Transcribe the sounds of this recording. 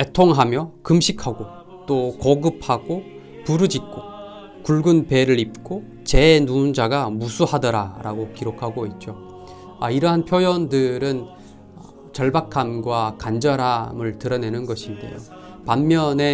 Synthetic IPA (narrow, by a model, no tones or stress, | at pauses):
etʰoŋɦamjʌkɯmɕʰikʰaɡo | t͈okʌɡɯp̚ʰhaɡo | puɾɯd͡ʑik͈o | kuɭɡunpe̞ɾɯɾip̚k͈o | t͡ɕe̞nund͡ʑaɡamusʰuhadʌɾaɾaɡokiɾokʰaɡoit̚t͡ɕ͈o | aiɾʌɦanpʰjojʌndɯɾɯn | ʌ | t͡ɕʌɭbakʰamɡwakand͡ʑʌɾamɯɭtɯɾʌne̞nɯnɡʌɕʰinde̞̰jo̰ | pamːjʌne̞